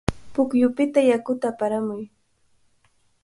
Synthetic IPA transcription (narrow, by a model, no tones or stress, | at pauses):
pʊkjʊpɪt̪ajakʊt̪aːpaɾamʊj